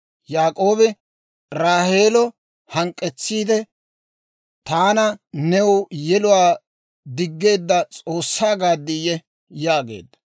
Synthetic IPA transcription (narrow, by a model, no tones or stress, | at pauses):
jaːkʼo̞ːbɪ | ɾaːhe̞ːlɔ | hɐŋkʼːɛt͡sːiːd̪ɛ | t̪aːnɐnɛwjɛlʊwaː | d̪ɪɡːe̞ːd̪ːɐt͡sʼo̞ːsːaːɡaːd̪ːɪjɛ | jaːɡe̞̰ːd̪ːɐ̥